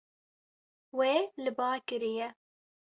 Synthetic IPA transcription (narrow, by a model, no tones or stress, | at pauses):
weːlɨbɑːkɨɾijɛ